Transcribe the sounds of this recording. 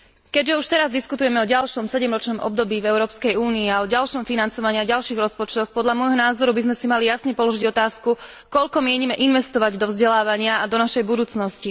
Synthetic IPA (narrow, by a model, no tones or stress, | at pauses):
kɛɟʒɛuʃt̪ɛɾazd̪iskut̪ujɛmɛɔɟalʃɔmsɛɟɛmɾɔt͡ʃnɔmʔɔ̰b̚d̪ɔbiːvɛʊɾɔːpskɛjuːniːaɔɟalʃɔmfinant͡sɔʋaɲiaɟalʃiːɣɾɔspɔt͡ʃt̪ɔxpɔd̪ʎamʊɔjɦɔnaːzɔɾubizmɛsimalijasɲɛpɔlɔʒiɟɔt̪aːsku | kɔʎkɔmɪɛɲimɛʔinʋɛst̪ɔʋaɟd̪ɔvzɟɛlaːʋaɲɪaad̪ɔnaʃɛjbud̪uːt͡snɔsci